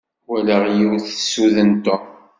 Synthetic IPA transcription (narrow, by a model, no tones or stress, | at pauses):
wæləʁjiwθəsuðənt̪o